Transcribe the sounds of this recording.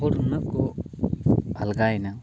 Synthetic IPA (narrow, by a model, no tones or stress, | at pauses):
ɔɽunəʔ̚kɔ | bʱalɡaɛna